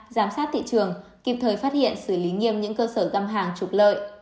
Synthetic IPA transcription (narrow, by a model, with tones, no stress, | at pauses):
zaː˨˦msaː˦˥t̚t̪ʰḭ˧˨t͡ɕɨ˨˩əŋki˨˩p̚t̪ʰəː˨˩jfaː˦˥t̚hḭ˧˨ənsɨ˧˩li˨˦ŋi˧əmɲɨ̰˧˥ŋkəː˧səː˧˩za˧mɦaː˨˩ŋt͡ɕu˨˩k͡p̚lə̰ː˧˨j